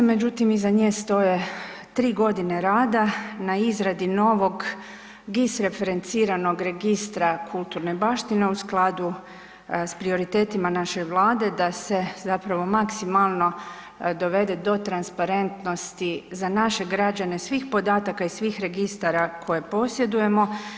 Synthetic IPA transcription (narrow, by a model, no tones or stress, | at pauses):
me̞d͡ʒut̪imizaɲeːst̪o̞je̞ | t̪ɾiːɡo̞d̪ine̞ɾaːd̪anaizɾad̪ino̞ːʋo̞ɡ | ɡisɾe̞fe̞ɾe̞nt̪siːɾano̞ɡɾe̞ɡist̪ɾakʰulˠt̪uɾne̞baʃt̪ine̞usklˠad̪u | spɾio̞ɾit̪e̞ːt̪imanaʃe̞ʋlˠaːd̪e̞d̪ase̞zapɾaʋo̞maksimalˠno̞ | d̪o̞ʋe̞d̪e̞d̪o̞t̪ɾanspaɾe̞nt̪no̞st̪izanaʃe̞ɡɾad͡ʑane̞sʋiːxpo̞d̪aːt̪akaisʋiːxɾe̞ɡist̪aɾakʰo̞je̞po̞sje̞d̪uje̞mo̞